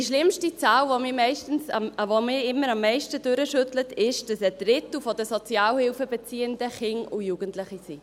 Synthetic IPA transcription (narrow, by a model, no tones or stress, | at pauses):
diʃlɪmʃtit͡saːlvomɪːɾmɛɪʃtn̩svomɪːɾɪmːəɾɑmːɛɪʃtədøɾəʃʏtlətɪʃd̥ɑsəd̥ɾɪtl̩fɔdəsɔt͡sjɑːlhɪlfəbɛt͡siːəndəχɪŋʊjuɡ̥əntlɪχisi